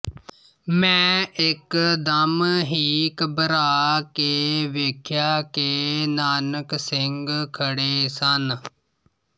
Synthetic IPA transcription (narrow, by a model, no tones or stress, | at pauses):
mɛ̃ːɪkd̪əmɦiːkəbəɾaːkeʋeːkʰjaːkenaːnəksɪŋɡkʰəɽeːsən